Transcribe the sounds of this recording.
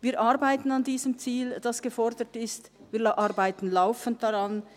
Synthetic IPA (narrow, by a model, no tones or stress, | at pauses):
viːɾʔɑɾbaɪtn̩ɑndiːzəmt͡siːld̥ɑsɡ̥əfɔɾdətɪstviːlʔɑɾbaɪtn̩laʊfənt̚d̥ɑʁɑn